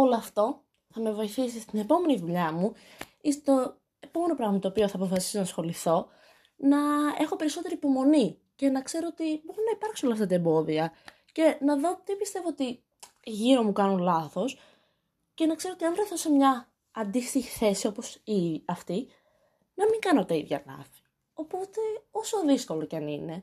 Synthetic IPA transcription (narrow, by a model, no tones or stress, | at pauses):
o̞loɐft̪o̞ | θɐme̞vo̞iθisist̪ine̞po̞me̞niðuʎɐmu | ist̪et̪o̞ | e̞po̞me̞no̞pɾɐɣmɐt̪oːpioθɐːpo̞fɐsi̥sonɐsxo̞liθo̞ | nɐe̞xo̞pe̞ɾiso̞t̪e̞ɾiːpo̞mo̞ni | ce̞nɐkse̞ɾo̞ot̪ibo̞ɾunɐipɐɾksunolɐft̪ɐt̪ɐembo̞ðiɐ | ce̞nɐðo̞t̪ipist̪e̞voot̪i | ʝiɾo̞mukɐnunlɐθo̞s | ce̞nɐkse̞ɾoot̪iɐnfɾθosemɲɐː | nd̪ist̪içi̥θe̞sio̞posiɐft̪i | nɐmiŋɡɐno̞t̪ɐiðʝɐ̰lɐ̰fi̥ | o̞po̞t̪e̞o̞soðisko̞lo̞cɐnine̞